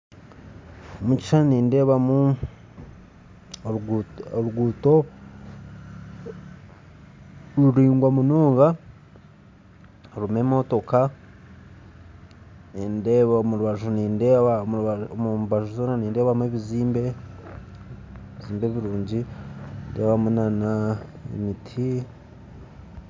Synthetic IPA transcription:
omuci̥ʃanniːnde̞ːβamu | oɾuɡuːto̞ | ɾuɾiːŋɡwamunuːŋɡa | ɾume̞mo̞to̞ka | endeβomuɾuβaʒuniːndeβamβmuβaʒuzoːnaniːnde̞ːβamweβiziːmbe̞ | βiziːmbeβiɾuːɲɟinde̞ːβamunanaḛmitʰi

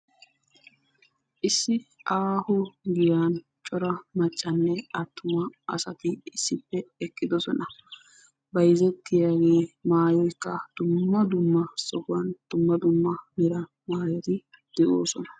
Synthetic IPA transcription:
ʔɪsːɪʔaːhʊɡɪjaːn | t͡ʃʼɔɾɐmɐt͡ʃʼːɐnːɛɐt̪ːʊmɐɐ̰sɐt̪ɪɪsːɪpːɛɛkːɪd̪ɔsɔnɐ | bɐjzɛt̪ːɪjaːɡe̞ːmaːjɔjkːɐd̪̥ʊmːɐd̪ʊmːɐsɔkʊwɐnd̪̥ʊmːɐd̪ʊmːɐmɪɾɐ | maːjɛt̪ɪ | d̪̥ɛʔoːsɔnɐ̥

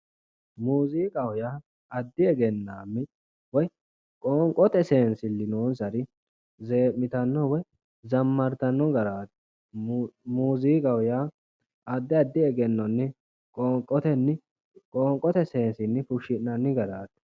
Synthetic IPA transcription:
muːziːkʼɐwʊjaː | ɐd̪ːɪɛɡɛnːaːmːɪ | wɔj | kʼɔŋkʼːɔt̪ɛse̞ːnsɪlːɪnoːnsɐɾɪ | ze̞ːmːɪt̪ɐnːɔwɔj | zɐmːɐɾt̪ɐnːɔɡɐɾaːt̪ | muːziːkʼɐwʊjaː | ɐd̪ːɪɐd̪ːɪɛɡɛnːɔnːɛ | kʼɔŋkʼːɔt̪ɛnːɪ | kʼɔːŋkʼːɔt̪ɛse̞ːnsɪnːɪfʊʃɪnnɐnːɪɡɐɾaːt̪ɛ̥

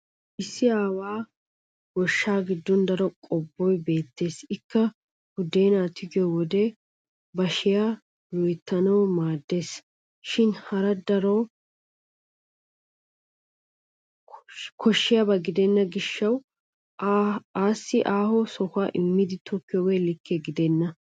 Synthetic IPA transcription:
ʔɪsːɪaːwaː | ɡɔʃːaːɡɪd̪ːɔnd̪ɐɾɔkʼɔbːɔjbe̞ːt̪ːe̞ːsɪkːɐ | hʊd̪eːnaːt̪ɪɡɪjɔwɔd̪ɛ | bɐʃɪja | jɔjt̪ːɐnɐwmaːd̪ːe̞ːs | ʃɪnhɐɾɐd̪ɐɾɔ | kʰɔʃːɪjabɐɡɪd̪ɛnːɐɡɪʃːɐw | aːsːɪʔaːhɔsɔhʊaːʔɪmːɪd̪ɪt̪ʰɔkːɪjɔɡɛjlɪkːɛɡɪd̪ɛnːɐ

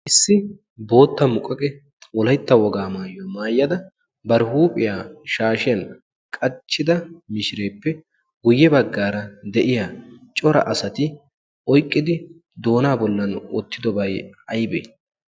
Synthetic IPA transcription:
ʔɪsːɪ | bo̞ːt̪ːɐmʊkʼɐkʼɛ | wɔlɐjt̪ːɐwɔɡaːmaːjːɔmaːjːɐd̪ɐ | bɐɾɪhuːpʼɪjaːʃaːʃɪjɐn | kʼɐt͡ʃːɪd̪ɐmɪʃɪɾe̞ːpːɛ | ɡʊjːɛbɐɡːaːɾɐd̪ɛʔɪjat͡ʃʼɔɾɐ̰ʔɐsɐt̪ɪ | ʔɔjkʼːɪd̪ɪ | d̪o̞ːnaːbɔlːɐnɔ̰t̪ːɪd̪ɔbɐjɐjbḛː

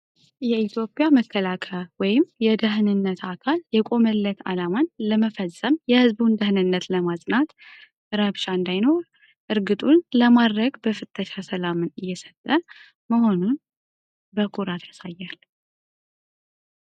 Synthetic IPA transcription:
jɛit̪ʰjo̞pʼjaməkʰːəlakʰəwɔjɪmjɛd̪əɦɨnɨnːət̪akʰaljɛkʼo̞məlːət̪ʰa̰lamanləməfəsʼːəmjɛhɨzbund̪əhnɨnːət̪ləmasʼnat̪ | ɾaβʃaɨnd̪ajno̞ɾ | ʔɨɾɡɨt̪ʼunləmad̪ɾəɡbəfɨt̪ʼːəʃasəlamɨnɨjːɛsət̪ʼːə | məho̞nun | bəkʰʼuɾat̪ʰjasajːal

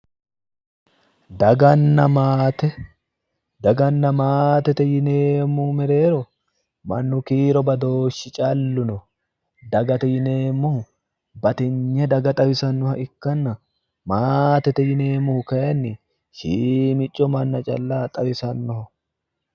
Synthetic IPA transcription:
d̪ɐɡɐnːɐmaːt̪ɛ | d̪ɐɡɐnːɐmaːt̪ɛt̪ɛjɪneːmːumɛɾe̞ːɾɔ | mɐnːʊkiːɾɔbɐd̪oːʃːɪt͡ʃʼɐlːʊnɔ | d̪ɐɡɐt̪ɛjɪneːmːʊh | bɐt̪ɪɲːɛd̪ɐɡɐt̪ʼɐwɪsɐnːɔhɐʔɪkːɐnːɐ | maːt̪ɛt̪ɛjɪneːmːʊhʊkɐjɐnːɪ | ʃiːmɪt͡ʃʼːɔmɐnːɐt͡ʃʼɐ̰lːaːt̪ʼɐwɪsɐnːɔhɐ

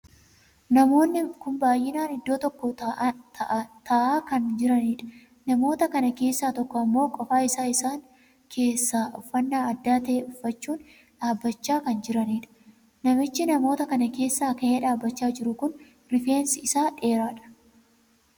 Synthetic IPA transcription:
nɐmo̞ːnːɪkʊmbaːjʔɪnaːnɪd̪ːo̞ːt̪ɔkːɔ | t̪ɐʔaːkɐnd͡ʒɪɾɐniːᶑɐ̥ | nɐmo̞ːt̪ɐkɐnɐke̞ːsːaːt̪ɔkːɔɐmːo̞ːkʼɔfaːɪsaːɪsaːŋ | kʰe̞ːsːaːʔɔfːɐnːaːɐd̪ːaːt̪ɐeɔfːɐt͡ʃːuːn | ᶑaːbːɐt͡ʃːaːkɐnd͡ʒɪɾɐniːᶑɐ̥ | nɐmɪt͡ʃːɪnɐmo̞ːt̪ɐkɐnɐke̞ːsːɐɐkɐʔeːᶑaːbːɐt͡ʃːaːd͡ʒɪɾʊkʊn | ɾɪfe̞ːnsɪɪsaːᶑe̞ːɾaːᶑɐ̥

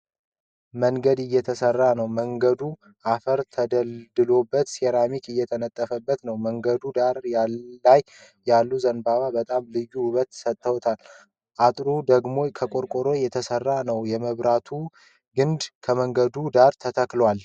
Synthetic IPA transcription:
məŋɡəd̪ɪjːɛt̪ʰəsərːanəwməŋɡəd̪u | ʔafəɾt̪ʰəd̪əld̪ɨlo̞bːət̪seɾamikɨjːɛt̪ʰənət̪ʼːəfəbːət̪nəwməŋɡəd̪ud̪aɾjalːaj | jalːuzənbaβabət̪ʼamlɨjːuhʊβət̪ːsət̪ʼːəwt̪ʰal | ʔat̪ʼɾud̪əɡmo̞kʰəkʼoɾkʼoɾo̞jɛt̪ʰəsərːanəwjɛməβɾat̪ʰu | ɡɨnd̪kʰəməŋɡəd̪ud̪aɾt̪ʰət̪ʰəklwal

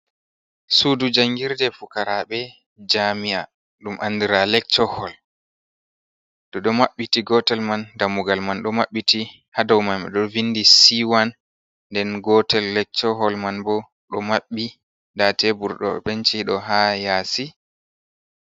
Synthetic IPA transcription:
sudud͡ʒaŋɡiɾdɛfukaɾaɓɛ | d͡ʒamija | ɗumʔa̰ndiɾalɛk̚t͡ʃːɔhɔl | ɗɔɗɔmaɓːitiɡɔtɛlmandamuɡalmanɗɔmaɓːiti | hadawmanɓɛ̰ɗɔvinːdisiwanː | dɛnɡɔtɛlːɛk̚t͡ʃɔɦɔlmanbɔ | ɗɔmaɓːi | datɛbuɾɗɔ̰ɓɛnt͡ʃiɗɔɦajaːsi

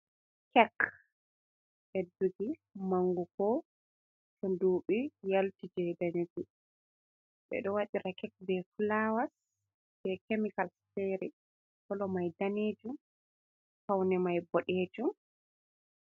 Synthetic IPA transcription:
kɛk | ɓɛduɡimaŋɡukɔ | sɔnduːɓijaltid͡ʒɛdaɲuɡi | ɓɛ̰ɗɔwaɗiɾakɛk̚bɛfulawas | b̥ɛkemikalsteɾi | kɔlɔmajdaneːd͡ʒum | fawnɛmajbɔɗeːd͡ʒum

